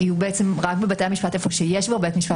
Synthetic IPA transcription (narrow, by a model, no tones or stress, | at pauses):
iubeet͡se̞mʁakbebatejamiʃpatefoʃeje̞ʃbeʁbetmiʃpa